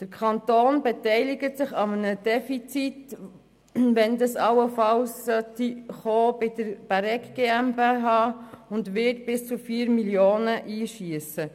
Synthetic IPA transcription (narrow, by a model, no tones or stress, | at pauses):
d̪̥əɾkʰɑnt̪oːnbɛt̪ɛɪlɪɡətsɪχɑmənəd̥ɛfit͡sit | ʋɛnd̪ɑsɑwəfɑlssœtiχoːbɪdəɾb̥æɾɛkɡ̥eːæmbeɦɑːʊndʋɪtb̥ɪst͡sufiːəɾmiljoːnəʔiːʃiəsə